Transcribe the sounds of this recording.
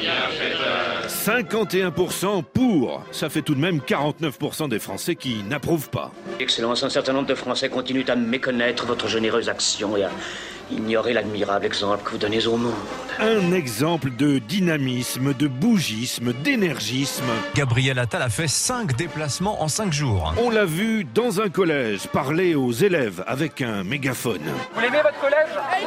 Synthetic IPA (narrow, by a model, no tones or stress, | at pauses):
sɛ̃kɑ̃t̪eɛ̃puʁsɑ̃puʁsafɛt̪ud̪mɛmkaʁɑ̃t̪nœfpuʁsɑ̃d̪efχɑ̰̃sɛkʲinapχuvpa̰ɛksɛlɑ̃sɛ̃sɛʁt̪ɛ̃nɔ̃bʁd̪əfχɑ̃sɛkɔ̃t̪inyt̪amekɔnɛt̪χəvɔt̪χəʒeneʁøzaksjɔ̃ea | ḭnjɔʁelad̪miʁablɛɡzɑ̃pləkəvud̪ɔnezomɔ̃dd̪̥ɛ̃nɛɡzɑ̃pləd̪əd̪inamismd̪əbuʒismd̪enɛʁʒismɡabʁijɛlat̪alafɛsɛ̃kd̪eplasmɑ̃ʔɑ̃sɛ̃kʒuːʁɔ̃lavyd̪ɑ̃zɛ̃kɔlɛʒpaʁleozelɛva̰vɛkɛ̃meɡafɔ̰nvulemevɔt̪χəkɔlɛʒ